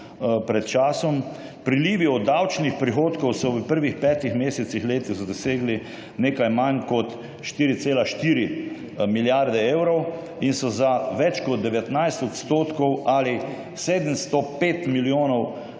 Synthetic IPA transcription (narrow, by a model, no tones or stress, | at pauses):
pɾɛt̪t͡ʃaːsɔmpɾiliːʋiɔd̪ːawt͡ʃnixpɾixoːt̪kɔwsɔʋəpəɾʋixpɛːt̪ixmeːsɛt̪sixleːt̪iɣd̪ɔseːɡli | neːkajmankɔt̪ | ʃt̪iːɾit̪seːlaʃt̪iːɾi | miljaɾd̪ɛeːwɾɔw | insɔzaʋɛt͡ʃkɔd̪̚d̪ɛʋɛt̪najst̪ɔt̪st̪oːt̪kɔwaːli | seːd̪əmst̪ɔpeːt̪miljoːnɔw